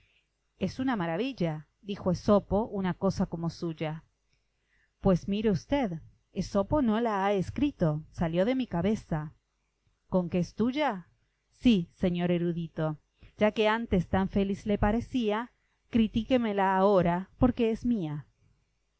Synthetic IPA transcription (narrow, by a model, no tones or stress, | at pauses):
esunamaɾaβiʎa | d̪ixo̞esopo̞ʔunako̞sako̞mo̞suʝa | pwe̞smiɾeust̪eð | eso̞po̞no̞laaeskɾit̪o̞saljo̞ðe̞mikaβe̞sa | ko̞ŋkeest̪uʝa | sise̞ɲo̞ɾe̞ɾuðit̪o̞ | ʒ̥ake̞ant̪est̪aɱfelizle̞paɾesia | kɾit̪ikemelaːo̞ɾapo̞ɾke̞ezmia